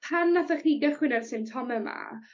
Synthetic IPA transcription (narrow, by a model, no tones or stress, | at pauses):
pʰanːaθaχiɡəχwɪnɛrsɪmtʰɔmɛma̰